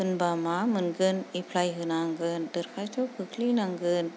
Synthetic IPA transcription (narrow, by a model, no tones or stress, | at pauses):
ɦunbamamɯnɡɯnipʰlajɦɯnaŋɡɯnd̪əɾkʰajt͡ʃokʰɯkʰlinaŋɡɯn